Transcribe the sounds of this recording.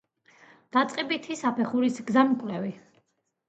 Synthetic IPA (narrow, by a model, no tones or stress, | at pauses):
d̪̥at̪sʼqʼɛbit̪ʰisapʰɛχuɾisɡzamkʼwlɛvi